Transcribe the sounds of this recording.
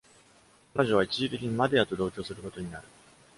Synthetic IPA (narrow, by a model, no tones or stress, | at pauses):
kano̞ʑo̞β̞ait͡ɕiʑit̪e̞kʲiɲ̟imad̪eat̪o̞d̪o̞ːkʲo̞ːsɨɾɯ̟ko̞t̪o̞ɲ̟inaɾɯ̟